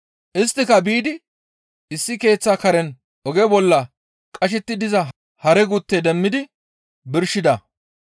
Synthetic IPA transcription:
ʔɪs̬t̪ːɪkɐbiːd̪ɪ | ɪsːɪke̞ːt͡sːakɐɾɛn | ʔɔɡɛbɔlːɐ | kʼɐʃ̬ɛt̪ːɪd̪ɪzɐ | hɐɾɛɡut̪ːed̪ɛmːɪd̪ɪ | bɪɾʃɪd̪ɐ

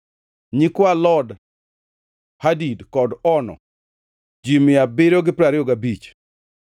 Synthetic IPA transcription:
ɲikwalɔd | hadidkɔdɔnɔ̰ | d͡ʒimɪabɪɾoɡɪpɾaɾɪoɡabit͡ʃ

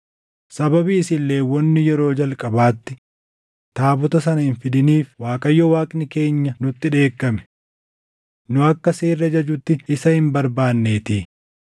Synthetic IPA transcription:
sɐbɐbiːsɪlːe̞ːwɔnːɪjɛɾo̞ːd͡ʒɐlkʼɐbaːt̪ːɪ | t̪aːbɔt̪ɐs̬ɐnɐhɪnfɪd̪ɪniːfwaːkʼɐjːɔwaːkʼnɪke̞ːɲːɐnʊt̪ːɪᶑe̞ːkːɐmɛ̥ | nʊɐkːɐseːrːɐd͡ʒɐd͡ʒʊt̪ːɪɪsɐhɪmbɐɾbaːnːeːt̪iː

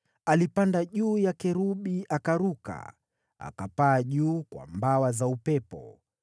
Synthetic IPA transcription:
alipandaʄuːjakɛɾuɓiʔakaɾuka̰ | a̰kapaːʄuːkwa̰mbawazaupɛpɔ̰

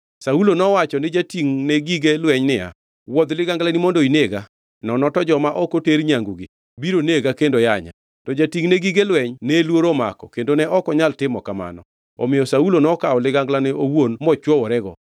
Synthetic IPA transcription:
saulonɔwat͡ʃɔnɪd͡ʒatiŋneɡiɡelwɛɲnɪja̰ | wɔd̪lɪɡaŋɡlanimɔndoineɡa | nɔnɔtɔd͡ʒɔmaʔɔkoteɾɲaŋɡuɡɪ | biɾoneɡakendojaɲa̰ | tɔd͡ʒatiŋneɡiɡelwɛɲnɛlwoɾoma̰kɔ̰kendonɛʔɔkɔɲaltɪmɔkama̰nɔ̰ | ɔ̰mɪjɔsaulonɔkaɔlɪɡaŋɡlanɛʔowonmɔt͡ʃwɔwɔɾɛɡɔ̰

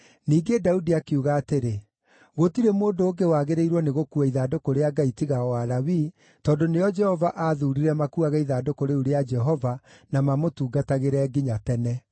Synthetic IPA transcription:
niːɡedaudiakeuɣaːteɾe | ɣotiɾemoːndoːɡewaɣeɾeiɾwɔneɣokuaiðaːdokoɾeaɡaitiɣaɔwaɾawi | tɔːndonejɔd͡ʒɛhɔvaʔaðuɾiɾɛmakuaɣɛiðaːdokoɾeuɾead͡ʒɛɦɔvanamamotuːɡataɣeɾɛɡiɲatɛnɛ

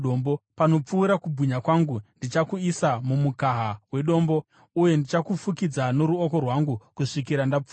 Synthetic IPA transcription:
ombopano̞p͡fuːɾakubʱuɲakwaŋɡundit͡ʃakuisamumukaɦawe̞ɗo̞ːmbo̞ | uje̞ndit͡ʃakufukid͡zano̞ɾuoko̞rwaŋɡukuʂikiɾandap͡fu

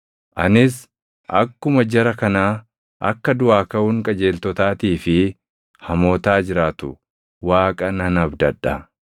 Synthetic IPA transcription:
ʔɐnɪs | ɐ̰kːʊmɐd͡ʒɛɾɐkɐnaː | ʔɐ̰kːɐd̪ʊaːkɐʊŋkʼɐd͡ʒe̞ːlt̪ɔt̪aːt̪iːfɪ | hɐmoːt̪aːd͡ʒɪɾaːt̪ʊ | waːkʼɐnɐnɐbd̪ɐᶑːɐ

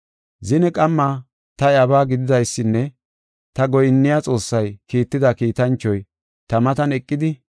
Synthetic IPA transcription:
zɪnɛkʼɐmːaː | t̪ɐjɐbaːɡɪd̪ɪd̪ɐjsːɪnːɛ | t̪ɐɡɔjɪnːɪjat͡sʼo̞ːsːɐjkiːt̪ːɪd̪ɐkiːt̪ɐnt͡ʃːɔj | t̪ɐmɐt̪ɐnɛkʼːɪd̪ɪ

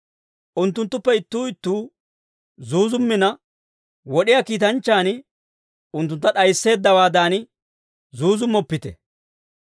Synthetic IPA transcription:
ʔʊnt̪ːʊnt̪ːʊpːɛɪt̪ːuːɪt̪ːuː | zuːzʊmːɪnɐ | wɔɗɪjakiːt̪̬ɐnt͡ʃːaːn | ʊnt̪ːʊnt̪ːɐɗɐjsːe̞ːd̪ːɐwaːd̪aːnɪ | zuːzʊmːɔpːɪt̪ɛ̰

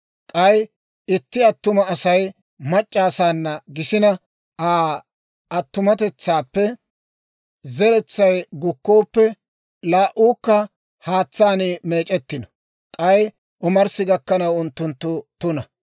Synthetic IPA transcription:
kʼɐj | ɪt̪ːɪɐt̪ːʊmɐːsɐj | mɐt͡ʃʼːaːsaːnːɐɡɪsɪnɐ | aː | ɐt̪ːʊmɐt̪ɛt͡sːaːpːɛ | zɛɾɛt͡sːɐjɡʊkːoːpːɛ | laːʔuːkːɐ | haːt͡sːaːniːme̞ːt͡ʃʼɛt̪ːɪnɔ̥ | kʼɐj | ʔʊmɐɾsɪɡɐkːɐnɐwʊnt̪ːʊnt̪ːʊt̪ʊnɐ

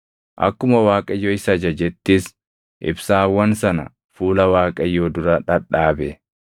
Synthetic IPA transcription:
ʔɐ̰kːʊmɐwaːkʼɐjːoːɪsɐd͡ʒɐd͡ʒɛt̪ːiːs | ʔɪ̰bsaːwːɐnsɐnɐ̰ | fuːlɐwaːkʼɐjːoːd̪ʊɾɐᶑɐᶑaːbɛ

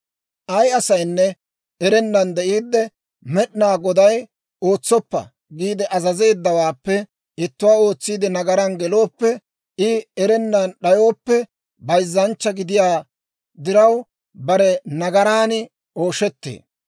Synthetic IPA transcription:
ʔɐjɐsɐjnːɛ | ɛɾɛnːɐnd̪ɛʔiːd̪ːɛ | mɛɗɪnaːɡɔd̪ɐj | o̞ːt͡sːɔpːɐ̰ | ɡiːd̪ɛʔɐzɐze̞ːd̪ːɐwaːpːɛ | ɪt̪ːʊwaːo̞ːt͡sːiːd̪ɪnɐɡɐɾanɡɛlo̞ːpːɛ | ɪɛɾɛnːɐnɗɐjo̞ːpːɛ | bɐjzːɐnt͡ʃːɐɡɪd̪ɪjaː | d̪ɪɾɐw | bɐɾɛnɐɡɐɾaːnɪ | oːʃɛt̪ːḛː

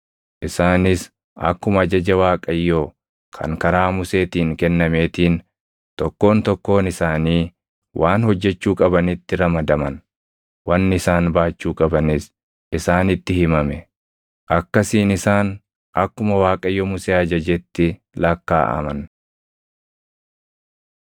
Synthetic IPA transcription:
ʔɪsaːnɪs | ʔɐ̰kːʊmɐɐd͡ʒɐd͡ʒɐwaːkʼɐjːo | kʰɐ̰ŋkɐɾaːmʊse̞ːt̪iːŋkɛnːɐme̞ːt̪iːn | t̪ɔkːo̞ːnt̪ɔkːo̞ːnɪsaːniː | wʔaːnhɔd͡ʒːɛt͡ʃːuːkʼɐbɐnɪt̪ːɪɾɐmɐd̪ɐmɐn | wɐnːɪɪsaːnbaːt͡ʃːuːkʼɐbɐnɪs | ɪsaːnɪt̪ːɪhɪmɐmɛ | ʔɐkːɐsiːnɪsaːn | ʔɐkːʊmɐwaːkʼɐjːɔmʊseːɐd͡ʒɐd͡ʒɛt̪ːɪ | lɐkːa̰ːʔɐ̰mɐn

